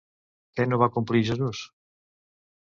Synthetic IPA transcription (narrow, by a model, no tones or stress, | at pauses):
kɛnoβakumpɾiʃoðos